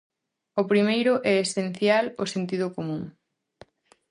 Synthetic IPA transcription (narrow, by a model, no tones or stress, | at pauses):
ʊpɾimejɾʊʔɛesen̟θjalosent̪iðʊkomũŋ